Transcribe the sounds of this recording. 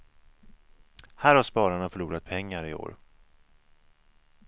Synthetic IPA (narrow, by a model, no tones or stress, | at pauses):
hæːɾhaʂpɑːɾaɳafœɭuːɾat̪̚pʰɛŋːaɾɪo̰ːɾ